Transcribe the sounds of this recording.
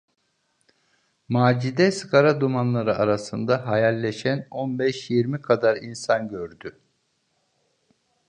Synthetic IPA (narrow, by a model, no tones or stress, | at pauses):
maːd͡ʒid̪ɛsɯkʰaɾad̪umanlˠaɾɯʔaɾasɯnd̪aɦajalʲːeʃæno̞nbɛʃjiɾmikʰad̪aɾinsanɟøɾd̪y